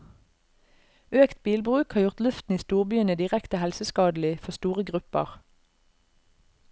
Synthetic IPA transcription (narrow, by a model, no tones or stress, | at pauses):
øːkt̪̚biːlbʁʉːkhɑːʁjʊʁt̪lʉft̪n̩iːst̪uːʁbyːənəd̪ɪʁɛkt̪əhɛlsəskɑːd̪l̩ɪfɔʁst̪uːʁəɡʁʉpə̰ʁ